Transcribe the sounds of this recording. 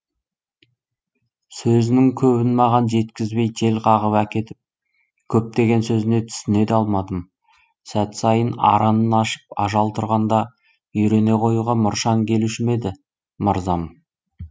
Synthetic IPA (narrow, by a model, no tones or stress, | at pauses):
sɵzɪnɪŋkʲʰɵβɪnmɑʁɑnʒe̞t̪kʲɪzbe̞jt̪ʰe̞lqʰɑʁəpækʲe̞t̪ɪp̚ | kʲʰɵp̚t̪e̞ɡʲe̞nsɵzɪne̞t̪ʰʏ̥sɪne̞d̪ɑlˠmɑd̪əm | sæt̪sɑjənɑ̰ɾɑnənɑʃə̥p̚ɑʒɑlˠt̪ʰʊɾʁɑnd̪ɑ | ʏjɾe̞ne̞qʰo̞juʁɑmʊɾʃɑŋkʲʰe̞luʃɪme̞d̪ɪ | məɾzɑm